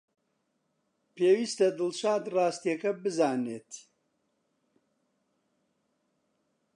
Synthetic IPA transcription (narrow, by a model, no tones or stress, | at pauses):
peːwiːst̪ɐd̪ɨlʃaːd̪raːst̪ijɐkɐbɨzaːneːt̪